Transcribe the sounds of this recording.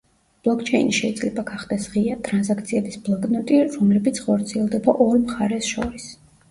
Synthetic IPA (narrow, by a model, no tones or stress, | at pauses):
b̥lˠɔkʰt͡ʃʰɛiniʃɛid̪zʼlɛbaɡaχd̪ɛsʁiat̪ʼɾansakʰt̪sʰiɛbisblˠɔkʼnɔt̪ʼiɾɔmlɛbit̪sʰχɔɾt̪sʰiɛlˠd̪ɛbaʔɔɾmχaɾɛsʃɔɾis